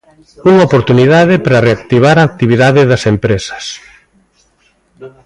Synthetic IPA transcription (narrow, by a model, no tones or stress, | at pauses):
uŋaopoɾt̪uniðaðɪpɾɐreak̚t̪iβ̞aɾaːk̚t̪iβ̞iðaðɪðɐsempɾesɐ̥s